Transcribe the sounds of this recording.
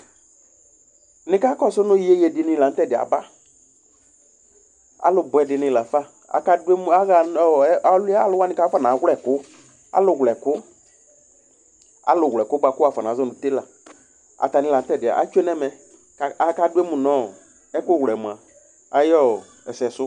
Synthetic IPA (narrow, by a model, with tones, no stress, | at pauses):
nɪ̃˨˦ka˦kɔ˦sʊ˦nʊ˦ji˦e˦je˨dɪ˨nɪ̃˨la˨n̩˦tɛ˦˨dɪ˨a̰˨ba˦ | a̰˨lʊ˨bʊ˨ɛ˨dɪ˨nɪ̃˨la˨fa˦˨ | a̰˨ka˦dm˦a˦ɣa˨ɔ˦˨˦a˨˦llʊ˦wa˦nɪ̃˨˦ka˦fa˦na˨˦ɣɛ˨kʊ˦ | a̰˦lʊ˨ɣlɛ˨kʊ˦ | a̰˨lʊ˨ɣʷlɛ˨kʊ˦ba˨kʊ˦a˨fa˨nã˨˦zɔ˦nʊ̃˨te˦la˨ | a̰˨ta˨nɪ̃˨˦˨la˨n̩˦tɛ˦˨dɪ˨a̰˨ʔa̰˨˦t͡ʃe˦nɛ˦mɛ˨ | a˨a˨ka˦dʊ˦e˦mʊ˨nɔ̃ː˦˨ | ɛ˦kʊ˦˨wlɛ˨mʊ˨a˨ | a˨jɔ˦˨ | ɛ˨sɛ˨sʊ˦